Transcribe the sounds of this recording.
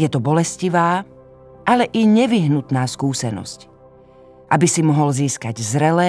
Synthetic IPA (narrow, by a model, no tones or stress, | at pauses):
jɛt̪ɔbɔlɛsciʋaː | ʔalɛʔiɲɛʋiɦnut̪naːskuːsɛnɔ̰sc | ʔabisimɔɦɔlziːskaɟzɾɛlɛː